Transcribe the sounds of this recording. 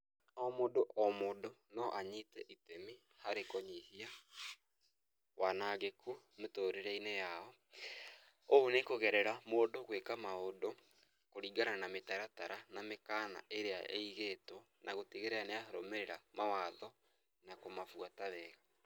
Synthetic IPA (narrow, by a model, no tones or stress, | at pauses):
ɔmodoʔɔmodonɔʔaɲitɛʔitemi | haɾekɔɲihia | wanaɣekʰu | metoːɾeɾɛinejaɔ | oonekoɣɛɾɛɾamoːdoɣwekamaodo | koɾiɡananametaɾataɾanamekana̰ʔeɾeaʔeiɣetwɔnʔaɣotiɣeɾeaneahaɾomeɾeɾamawaðɔ | nakomafwataβɛɣa